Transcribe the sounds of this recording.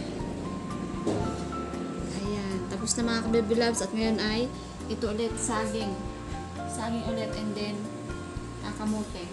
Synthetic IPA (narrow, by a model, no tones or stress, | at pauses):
ʔɐjant̪ɐposnɐmɐŋakɐbɛbɪlabsɐt̪̚ŋɐjonʔaj | ʔɪt̪oʔʊlɛt̪̚saːɡɪŋ | saːɡɪŋʔʊlɛt̪ʔɛnd̪ɛn | ɐkɐmuːt̪ɛ